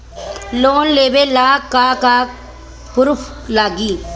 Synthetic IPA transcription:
loːnleːʋeːlaːkːaːkaː | pʊɾʊfʰ | laːɡiː

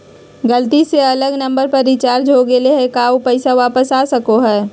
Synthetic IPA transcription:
ɡɐlt̪iseɐləɡnɐ̃mbəɾpɐɾːɪt͡ʃaːɾd͡ʒɦoɡeleɦɛkaːopɛɪsaʋaːpəsaːsɐkoɦɛː

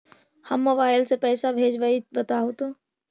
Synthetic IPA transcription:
həmːobaːɪlsepɛːsabʱeːd͡ʒʋaibət̪aɦot̪o

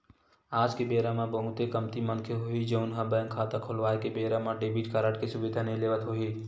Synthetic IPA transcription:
aːd͡ʒkebeːɾamãbəɦʊt̪ekəmt̪imənkʰeɦoːid͡ʒəʊnɦə̃bəjə̃ŋkʰaːt̪akʰolʋaːekebeːɾamãɖeːbiʈkaɾəʈkesʊbɪd̪ʱaneleːʋət̪ɦoːiː

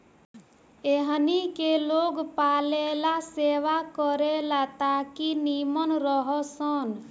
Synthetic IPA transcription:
eɦnikeloɡpaːlelaseːʋakəɾelat̪akinimənɾɔɦɔsən

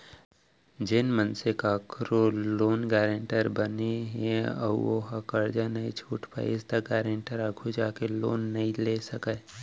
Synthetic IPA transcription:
d͡ʒɪnmənsekakɾoloːnɡɛːɾẽɳʈəɾbəneɦeɐ̰oɦɐkəɾd͡ʒanɐĩt͡ʃʰuːʈpa̰ɪst̪aɡɛːɾẽɳʈəɾəkʰud͡ʒaːkelo̰ːnːɐɦĩleːsəkə

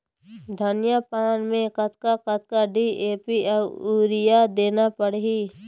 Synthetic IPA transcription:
d̪ʱənɪjapaːnmẽkɐt̪kakət̪̚kaɖiːʔeːpiauːɾɪjad̪eːnapəɽɦiː

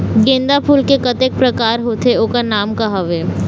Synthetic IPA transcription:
ɡẽːnd̪apʰuːlkekɐt̪ek̚pɾɐkaːɾɦoːt̪eoːkanaːmkaɦaʋeː

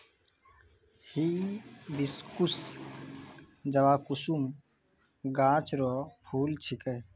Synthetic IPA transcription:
hiːbɪskʊs | d͡ʒəʋaːkʊsum | ɡãːt͡ʃɾoːpʰuːlt͡ʃʰɪkəː

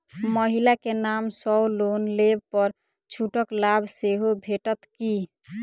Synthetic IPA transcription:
məɦilakenamsɔwlonlebpəɾ | t͡ʃʰuʈəklabʱseɦobʱeʈət̪ki

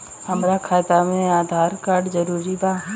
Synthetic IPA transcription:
ɦəmɾakʰaːt̪amẽaːd̪ʱaːɾkaːɾɖd͡ʒəɾuːɾiba

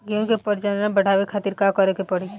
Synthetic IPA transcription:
ɡiõkepəɾd͡ʒannabəɽ̤ʱaːʋekʰaːt̪iɾkakəɾekepəɽi

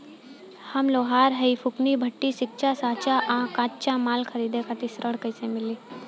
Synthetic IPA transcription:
hɐmloːɦaːɾɦəipʰʊknibʱɐʈːisɪk̚t͡ʃasãːt͡ʃaʔãːkãːtt͡ʃamaːlkʰəɾiːd̪ekat̪isɾʔəɽkəɪsemɪliː

